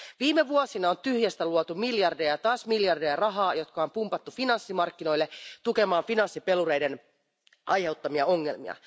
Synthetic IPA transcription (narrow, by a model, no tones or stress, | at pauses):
ʋiːmeʋuosinɑont̪yhjæst̪æluot̪umiljɑrdejɑt̪ɑːsmiljɑrdejɑrɑɦɑːjo̞t̪kɑompumpɑt̪ːufinɑnsːimɑrkːino̞jlːet̪uke̞mɑːnfinɑnsːipe̞luɾejden | ʔɑjhe̞ut̪ːɑmiɑoŋːe̞̰lmḭɑ̰